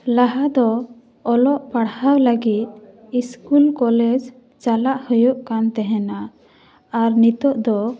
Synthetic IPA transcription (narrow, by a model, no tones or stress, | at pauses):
laɦad̪ɔ | ɔlɔʔpaɽhawləɡit̪̚ | iskulkɔlɛd͡ʒ | t͡ʃalaʔhujɔʔkant̪ɛɦɛna | aɾnit̪ɔʔd̪ɔ